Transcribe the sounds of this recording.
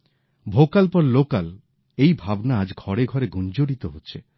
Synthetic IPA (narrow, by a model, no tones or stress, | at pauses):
bʱokalpɔɾlokal | ejbʱabnaad͡ʑɡʱɔɽeɡʱɔɾeɡund͡ʑoɽit̪oɦotːɕʰe